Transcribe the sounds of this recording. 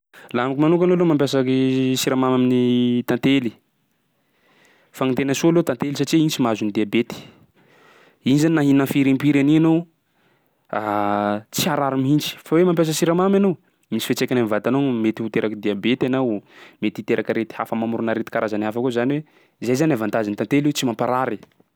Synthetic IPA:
laamikimanuk̬ʲanolomampjasakisiɾamamaminit̪ãnt̪eli̥ | faŋint̪enəsulot̪ãnt̪elisaʈ͡ʂiint͡simazunid̪iabet̪i̥ | inizaninaɦinə̃fiɾimpiɾanianow | at͡siaɾaɾimiɦint͡ʃi̥fawemampjas̬əsiɾamamanow | mint͡si̥fet͡sekʲanamivat̪anowmet̪ihut̪eɾakəd̪iabet̪anawmet̪it̪eɾʔakaɾet̪i̥hafəmamuɾunaɾet̪i̥kaɾazanafakuzaniwe | zajzanavãnt̪azint̪ãnt̪eliwet͡simãmpaɾaɾi

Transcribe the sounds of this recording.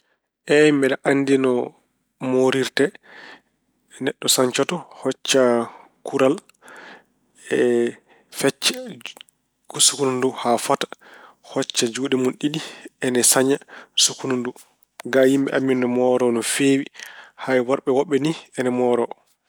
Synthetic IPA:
ʔɛmbɛɗaʔandinɔ | moɾiɾtɛ | nɛɗːɔsaɲt͡ʃɔtɔhɔt͡ʃːa | kuɾal | ɛ | fɛt͡ʃːḁ | sukununduhafatḁ | hɔt͡ʃːad͡ʒuːɗɛmunɗiɗiɛnɛsaɲasukunundu | ɡajimɓɛ̰ʔamːindɔmɔɾɔnɔfeːwihajwaɾɓɛwɔɓːɛniɛnɛmɔɾɔ

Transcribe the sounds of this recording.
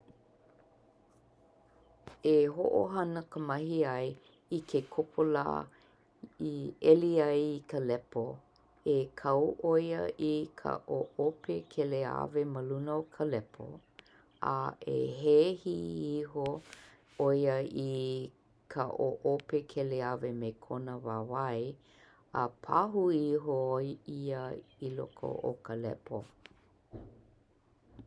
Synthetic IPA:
eɦo̰ʔo̰ɦɐnəkʰəmɐhiɐj | ikʰekʰopʰola̰ː | iɛliɐjikʰəlɛpo | ekʰɐwʔojə̰ʔikʰa̰ʔoʔopekʰɛlea̰veməlunokʰəlɛpʰo̰ | a̰ḛɦehiiɦo | ojəi | kʰaʔoʔopekʰeleavemekʰonəvavɐj | əpʰaɦuiɦojiəilo̰kʰo̰ʔo̰kəlɛ̰pʰo

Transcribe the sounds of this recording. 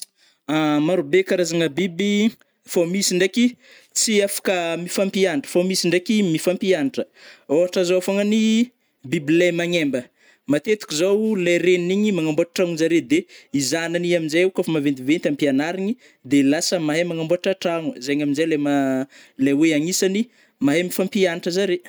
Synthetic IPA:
amaɾubekaɾazaŋəbibi | famisiɳɖ͡ʐekʲi | t͡siafḁkəmifampianʈ͡ʂə̥famisiɳɖ͡ʐekimifampianiʈ͡ʂəoɦaʈ͡ʂazoafaŋəni | bibilajmaɲembə | mat̪et̪u̥kʲizowlajɾeniiɲimaŋamboaʈ͡ʂḁʈ͡ʂaŋunzaɾed̪eizananiaminzajukafamavend̪ivent̪ampianaɾiɲi | d̪elasəmaɦamaŋamboaʈ͡ʂaʈ͡ʂaŋuzajɲaminzajlamalaweaɲisani | maɦamifampianiʈ͡ʂəzaɾe

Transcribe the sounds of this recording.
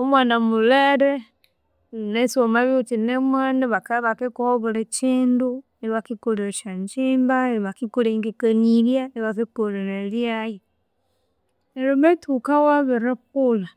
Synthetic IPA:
omwanamuleɾe | nesomaβiut͡ʃinemwaniβakaβakekuoβulet͡ʃiːndu | eβakikoleʃaɲt͡ʃiːmbaeβakikuliŋɡekaniɾjaneβakekoleɾeljaji | eɾimetʰukawaβiɾekula

